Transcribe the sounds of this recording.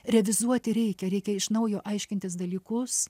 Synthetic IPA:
ɾʲɛʋʲɪzuɔt̪ʲɪɾʲɛɪkʲɛɾʲɛɪkʲɛɪʃnɐʊjoːʔɐɪʃʲkʲɪnt̪ʲɪsd̪ɐlʲiːkʊs

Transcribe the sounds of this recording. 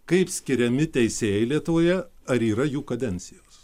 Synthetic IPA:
kɐɪpsʲkʲɪɾʲɛmʲɪt̪ʲɛɪsʲeːjɛɪlʲiɛt̪ʊʋoːjɛɐɾiːɾɐjuːkɐd̪ʲɛnʲt̪sʲɪjoːs

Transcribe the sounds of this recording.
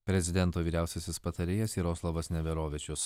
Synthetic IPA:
pʲɾʲɛzʲɪd̪ʲɛnt̪oːʋʲiːɾʲæˑʊsʲɛsʲɪspɐt̪ɐɾʲeːjɛsiːɾoːslˠɐʋɐsnʲɛʋʲɛɾoːʋʲɪt͡ʃʲʊs

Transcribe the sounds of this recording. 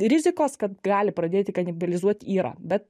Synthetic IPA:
ɾʲɪzʲɪkoːskɐt̪ɡɑːlʲɪpɾɐd̪ʲeːt̪ʲɪkɐnʲɪbʲɐlʲɪzuɔt̪ʲiːɾɑ̰ːbʲɛt̪

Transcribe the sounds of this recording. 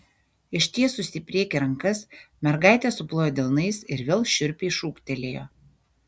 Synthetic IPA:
ɪʃʲt̪ʲiɛsʊsʲɪpʲɾʲiːkʲɪɾɐŋkɐsmʲɛɾɡɑˑɪt̪ʲɛːsʊplˠoːjoːd̪ʲɪlˠnɐɪsɪɾʋʲeːlˠʃʲʊɾʲpʲeɪʃuːkt̪ʲɛlʲeːjo̰ː

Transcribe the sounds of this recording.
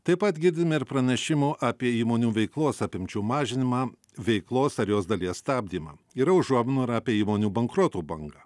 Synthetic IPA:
t̪ɐɪpɐt̪ɡʲɪɾʲd̪ʲɪmʲɛɪɾpɾɐnʲɛʃʲɪmuːʔɑːpʲiɛiːmoːnʲuːʋʲɛɪklˠoːsɐpʲɪmʲt͡ʃʲuːmɑːʒʲɪnʲɪmɑː | ʋʲɛɪklˠoːsɐɾjoːsd̪ɐlʲiɛsst̪ɑːbʲd̪ʲiːmɐ̰ːiːɾɐʊʒuɔmʲɪnuːɪɾɐːpʲiɛiːmoːnʲuːbɐŋkɾoːt̪uːbɐŋɡɐː

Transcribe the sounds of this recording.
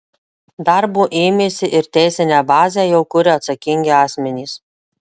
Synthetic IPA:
d̪ɑɾbuːʔeːmʲeːsʲɪʔɪɾt̪ʲæˑɪsʲɪnʲæːbɑːzʲæːjɛʊkʊɾʲɪɐt̪sɐkʲɪŋʲɡʲɪɑːsʲmʲɛnʲiːs

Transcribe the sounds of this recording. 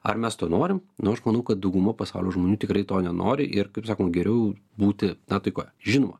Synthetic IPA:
ɐ̰rmʲɛst̪oːnoːɾʲɪmnʊɐʃmɐnɐʊkɐt̪̚d̪ɐʊɡʊmɐpɐsɑʊlʲoːʒmoːnʲuːt̪ʲɪkɾɐɪt̪oːnʲɛno̰ːɾʲɪʔɪrkɐɪpsɑːkomɡʲɛɾʲɛʊ | buːt̪ʲɪnɐt̪ɐɪkoːjɛʒʲɪnoːmɐ

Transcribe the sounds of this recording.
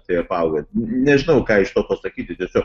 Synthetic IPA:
t̪ɐɪɐpɑʊɡonʲɛʒʲɪnɐʊkɑːɪʃt̪oːt̪oːsɐkʲiːt̪ʲɪt̪ʲiɛsʲoːk

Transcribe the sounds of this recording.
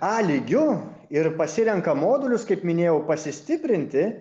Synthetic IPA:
ɑːlʲiːɡʲʊ | ɪɾpɐsʲɪɾʲɛŋkɐmoːd̪ʊlʲʊskɐɪpmʲɪnʲeːjɛʊpɐsʲɪsʲt̪ʲɪpʲɾʲɪnʲt̪ʲɪ

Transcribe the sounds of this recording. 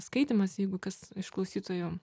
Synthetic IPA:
skɐɪt̪ʲɪmɐsjɛɪɡʊkɐsɪʃklˠɐʊsʲiːt̪oːjoːm

